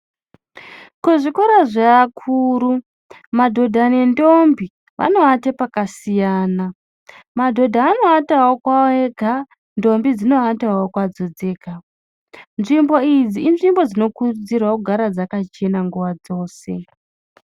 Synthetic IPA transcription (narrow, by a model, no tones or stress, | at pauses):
kuʐikoɾaʐeakʰuːɾu | madʱo̞dʱane̞ndo̞mbi | ʋa̰no̞atepakasijaːna | madʱo̞dʱaːno̞antawokwaeɡʱa | ndo̞mbid͡zino̞antaokwad͡zo̞d͡ze̞ːka | nʐimbo̞id͡ziːnʐimbo̞d͡zino̞kurud͡zirwakuɡʱaɾad͡zakat͡ʃe̞naŋɡuʋad͡zo̞ːse̞̰